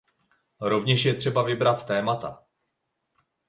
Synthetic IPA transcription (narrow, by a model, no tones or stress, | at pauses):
ɾo̞vɲɛʃjɛt̪r̝̥ɛbavɪbɾat̪ːɛːmat̪a̰